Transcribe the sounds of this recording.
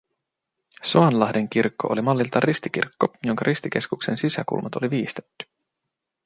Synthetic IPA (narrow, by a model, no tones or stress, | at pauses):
soɑnlɑɦde̞ŋk̟irkːoʔo̞̰limɑlːilt̪ɑrist̪ik̟ḭrkːojo̞ŋkɑɾʔist̪ik̟e̞skukse̞nsisæ̰kṵlmɑt̪o̞liʋiːst̪et̪ːy̥